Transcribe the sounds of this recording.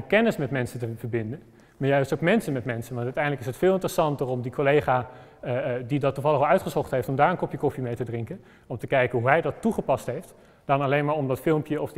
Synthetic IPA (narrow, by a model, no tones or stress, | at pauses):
kɛnəsmɛtmɛnsəntəvəɹbɪndən | maːɹjœɥstoʊkmɛnsənmɛtmɛnsənʋɑntœɥtɛjndləkɪsɦətfɪːlˠɪntrəsɑntəɹɔmdikolejχaː | didɑtːuvɑlˠəχɑlˠœɥtχəsɔχtɦejftɔmdaːɹənkɔpjəkɔfimejtədrɪŋkən | ɔmtəkɛjkənɦuɦɛjdɑtːuχəpɑstɦejft | d̥ɑnɑlejnmaːɹɔmdɑtfɪlˠmpjəɔf